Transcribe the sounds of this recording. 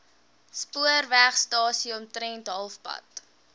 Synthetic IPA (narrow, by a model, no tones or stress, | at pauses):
spuərvæχstɑːsiɔmtɾɛntɦɐlˠfpɐ̰t